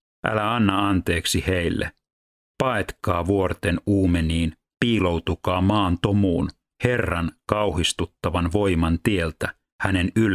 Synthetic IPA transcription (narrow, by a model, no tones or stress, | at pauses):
ʔæ̰læɑnːɑɑnt̪e̞ːksihejlːḛ | pɑet̪kɑːʋuort̪e̞nuːmeniːn | piːlo̞wt̪ukɑːmɑːnt̪omuːn | he̞rːɑnkɑwhist̪ut̪ːɑʋɑnʋo̞imɑnt̪ielt̪æ | hæne̞nyl